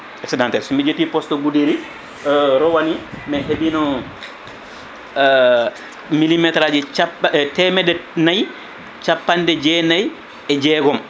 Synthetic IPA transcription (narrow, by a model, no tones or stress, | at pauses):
ɛksɛdantɛɾsɔmid͡ʒetːipɔstɔbudiɾi | ɾɔwanimɛɦebinɔ | milimɛtɾad͡ʒɛt͡ʃtɛmɛdɛnaj | t͡ʃapːandɛd͡ʒɛnaj | ɛd͡ʒɛɡɔm